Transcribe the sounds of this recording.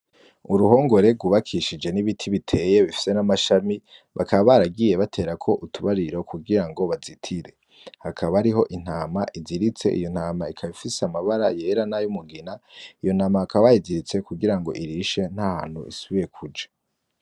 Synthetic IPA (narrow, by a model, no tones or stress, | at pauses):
uɾuho̞ːŋɡo̞ɾe̞ɡuβakʰiʃid͡ʒe̞niβitʰiβitʰe̞je̞βifi̥se̞namaʃamiβa̰kaβaβaɾaɡije̞βatʰe̞ːɾakʰo̞ʔutʰuβaɾiɾo̞kuɡiɾaŋɡo̞βazitʰiɾe̞ | hakʰaβaɾiɦo̞ʔin̥haːmaʔiziɾit͡se̞̰ʔḭjo̞n̥haːmaikʰaβifiseamaβaɾaje̞ɾanajumuɡinaijo̞n̥aːmaakaβajiziɾit͡se̞kuɡiɾaŋɡo̞̰ʔiɾiʃe̞n̥haha̰ːn̥hṵḭsuβije̞kʰud͡ʒḁ